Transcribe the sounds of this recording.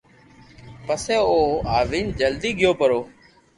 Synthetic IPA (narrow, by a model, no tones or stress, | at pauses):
pəsẽːoːaːʋiːnd͡ʒəld̪iːɠɪjoːpəɾoː